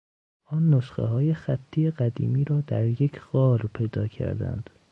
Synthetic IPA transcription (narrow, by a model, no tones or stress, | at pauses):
ʔɒːnːoʃxḛɦɒːje̞xæt̪ʰːiːeɢæd̪ḭːmiːɾɒːd̪æɾjecʰɢ̥ɒːɾpʰe̞jd̪ɒːcʰæ̰ɾd̪æ̰nd̪̥